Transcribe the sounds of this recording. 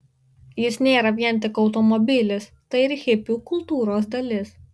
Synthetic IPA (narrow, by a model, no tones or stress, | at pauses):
jɪsnʲeːɾɐʋʲiɛnʲˑt̪ʲɪkɒʊt̪ɔmɔbʲɪlʲɪs | t̪ɐɪɪɾxʲɪpʲuːkʊlˠt̪uːɾoːs̬d̪ɐlʲɪs